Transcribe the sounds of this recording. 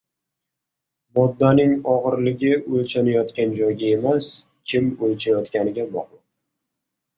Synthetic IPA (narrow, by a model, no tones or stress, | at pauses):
mɒd̪ːanɪŋɒʁɨɾlɪɡʲɪʔolt͡ʃʰanajɒt̪kʲand͡ʒɒjɡʲae̞mas | kʲʰɪmolt͡ʃʰajɒt̪kʲanɪɡʲabɒ̰qˠʊ